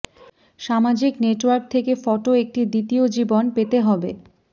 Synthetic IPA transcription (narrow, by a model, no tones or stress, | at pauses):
ʃamad͡ʑikneʈwaɾk̚t̪ʰekefɔʈoek̚ʈid̪it̪iod͡ʑibonpet̪eɦɔbḛ